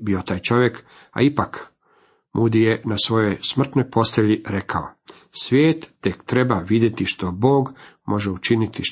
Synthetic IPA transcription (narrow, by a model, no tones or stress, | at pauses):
biot̪aːjt͡ʃo̞ʋje̞k | a̰ipak | mʔud̪ijenasʋo̞jo̞jsmr̩t̪nojpʰo̞st̪eʎiɾe̞kʰao̰ | sʋʲjeːt̪ːekt̪ɾe̞baʋid̪je̞t̪iʃt̪o̞bo̞ːɡmʔo̞ʒeut͡ʃinit̪iʃ